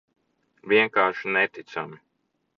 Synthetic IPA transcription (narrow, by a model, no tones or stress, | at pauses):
ʋʲiɛŋkaːɾʃinɛt̪it̪sami